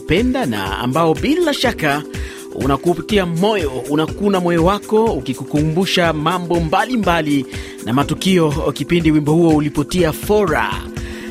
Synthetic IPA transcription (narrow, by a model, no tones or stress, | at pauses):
pɛndana̰a̰mbaɔbilaʃaka | ṵnakuːpitiamɔjɔunakunamɔjɔwakɔukikukumbuʃamambɔmbalimbali | na̰matukiɔkipindiwimbɔhuɔulipɔtiafɔɾa̰